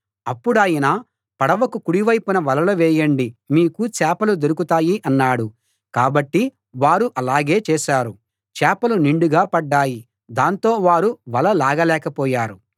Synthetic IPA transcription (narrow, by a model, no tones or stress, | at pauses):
ɐpːuɽaːjinaː | pɐɽɐʋɐkukuɽiʋɐjpunɐʋɐlɐlɐʋɛːjɐɳɖimiːkut͡ʃɛːpɐlud̪oɾukut̪aːjiʔɐnːaːɽu | kaːbɐʈːi | ʋaːɾuʔɐlaːɡe̞ːt͡ʃɛːʃaːɾu | t͡ʃɛːpɐluniɳɖuɡaːpɐɖːaːji | d̪aːnt̪o̞ːʋaːɾuʋɐlɐlaːɡɐlɛːkɐpɔːjaːɾu